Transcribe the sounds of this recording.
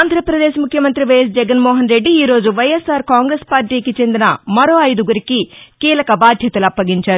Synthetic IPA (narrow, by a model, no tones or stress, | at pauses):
aːnd̪ʱɾɐpɾɐd̪eːʃmukʰjɐmɐnt̪ɾiʋɐjes̬d͡ʒɛɡɐnmoːɦɐnɾe̞ɖːiiːɾo̞ːd͡ʒuʋɐjesaːɾkaːŋɡɾespaːɾʈiːkit͡ʃe̞nd̪inɐmɐɾo̞ːɐjd̪uɡuɾikikiːlɐkɐbaːd̪ʱjɐt̪ɐlɐpːɐɡiɲt͡ʃaːɾu